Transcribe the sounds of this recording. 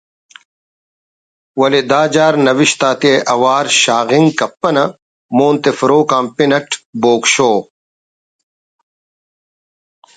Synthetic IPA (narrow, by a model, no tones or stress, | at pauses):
wɐled̪aːd͡ʒaːɾnɐʋiʃt̪aːt̪ieʔɐwaːɾɕaːɣiŋɡkɐpːɐnɐ | moːnt̪efɾoːkaːmpinɐk̚ʈboːkʃoː